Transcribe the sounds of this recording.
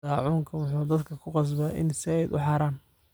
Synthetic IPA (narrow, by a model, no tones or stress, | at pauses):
aːʕuːŋkʰɐwʊħuːd̪ɐd̪kʰɐkʰʊqɑs̬bɐːʔɪ̰nsɪɛj̪ʊ̰ħɑɾaːn